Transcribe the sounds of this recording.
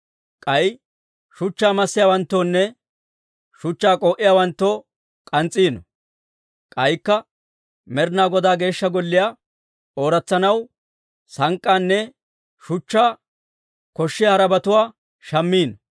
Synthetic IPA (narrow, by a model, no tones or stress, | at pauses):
kʼɐj | ʃʊt͡ʃːaːmɐsːɪjaːwɐnt̪ːoːnːɛ | ʃʊt͡ʃːaːkʼoːʔɪjaːwɐnt̪ːoː | kʼɐnt͡sʼːiːnɔ | kʼɐjkːɐ | mɛɾnaːɡɔd̪aːɡe̞ːʃːɐɡɔlːɪjaː | ʔo̞ːɾɐt͡sːɐnɐw | sɐŋkʼːaːnːɛ | ʃʊt͡ʃːaː | kɔʃːɪjɐɾɐbɐt̪ʊwaː | ʃɐmːiːnɔ